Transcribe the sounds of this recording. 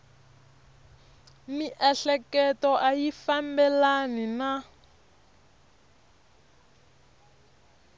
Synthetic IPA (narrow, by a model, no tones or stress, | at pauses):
miʔɛɬɛkɛtɔʔajifambɛlanina